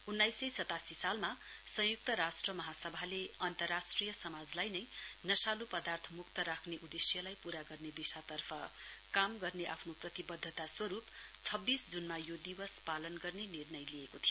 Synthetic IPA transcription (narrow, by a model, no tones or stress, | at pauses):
unːajsʌjsʌt̪asisalmasʌ̃juk̚t̪ʌɾasʈrʌmʌɦasʌbʱaleʌnt̪ʌrːasʈrijʌsʌmad͡zlajnʌjnʌsalupʌd̪art̪ʰʌmukt̪ʌɾakʰneʔud̪esjʌlajpuɾaɡʌrned̪isat̪ʌrpʰʌ | kamɡʌrneʔapʰnoprʌt̪ibʌd̪ʱːʌt̪aswʌɾup | t͡sʰʌbːisd͡zunmajod̪iwʌspalʌnɡʌrnenirnʌjliekot̪ʰio